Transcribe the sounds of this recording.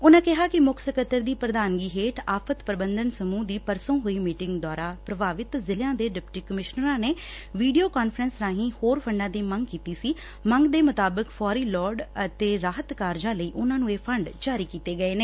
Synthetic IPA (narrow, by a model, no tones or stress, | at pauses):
ʊnãːkɪɦaːkɪmʊkʰsəkət̪ːəɾd̪iːpɾəd̪aːnɡiːɦeːʈʰaːpʰət̪pɾəbənd̪ənsəmũːd̪iːpəɾsõːɦoːiːmiːʈɪŋɡd̪aːɾaːpɾəbaːʋɪt̪zɪljãːd̪eːɖɪpʈiːkəmɪʃnəɾãːneː | ʋiːɖioːkaːnfəɾənsɾãːɦĩːhoːɾpʰəɳɖãːd̪eːmə̃ŋɡkiːt̪iːsiː | mə̃ŋɡd̪eːmʊt̪aːbəkfʰɔːɾiːlɔːɾɖət̪eːɾaːɦət̪kaːɾd͡ʒãːləiːʔʊnãːnũːeːpʰəɳɖt͡ʃaːɾiːkiːt̪eːɡəeːneː